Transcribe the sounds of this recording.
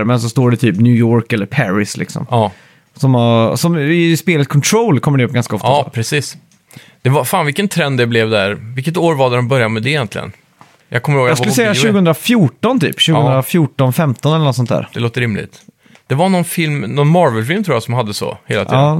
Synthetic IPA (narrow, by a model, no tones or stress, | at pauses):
ɾmɛns̬ɔst̪oːɖɛt̪ʰyːpnjʉːjoːɾkɛlːəɾpʰæɾɪslɪ̰ksɔ̰mɑː | sɔmasɔmɪspeːlət̪kʰɔnt̪ʰɾoːlkʰɔmːəɖɛɵpːɡanskaɔft̪apʰɾɛsiːs | d̪̥ɛvafaːnvɪkːənt̪ʰɾɛnd̪ɛblɛvd̪æɾvɪkːət̪oːɾvad̪ɛd̪ɛnbœɾjamɛd̪ɛjɛnt̪ʰlɪ̰ɡə̰n | jʔɑ̰ɡkʰɔməɾhoːjɑsɵlːsɛjjːaʃʉɡəɵnd̪ɾafjuːʈɔnt̪ʰy̰ːpɕʉːɡɵɾafjuːʈɔnfɛmt̪ɔnɛlːənɔt̪sɔnt̪ʰæ̰ːɾd̪ɛloːt̪əɾɪmlɪ̰ɡt̪ | d̪̥ɛvanɔnfɪlmnɔnmɑɾvɛlfɪlmt̪ʰɾuːjasɔmhad̪ːəsɔ̰hḛːlat̪ʰiːɑdː